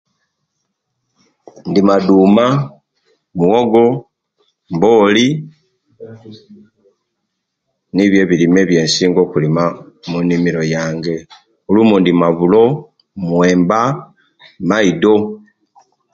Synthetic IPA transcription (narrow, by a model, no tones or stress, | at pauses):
ndimaduːma | muwoɡo̞ | mboːli | niβje̞βilime̞ːβje̞ːnsiːŋɡo̞ːkulima | munimiɾo̞jaːŋɡe̞ | ulumundimaβulo̞ | mwe̞ːmba | maido̞